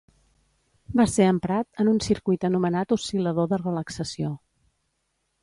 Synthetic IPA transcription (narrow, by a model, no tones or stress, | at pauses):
baseəmpɾat̪ənunsiɾkujt̪ənumənat̪usiləðoðərələksəsio